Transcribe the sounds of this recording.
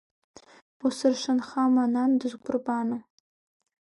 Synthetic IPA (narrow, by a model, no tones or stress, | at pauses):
usɨrʃɨnχamanandɨzɡʷʊrbaːnɨ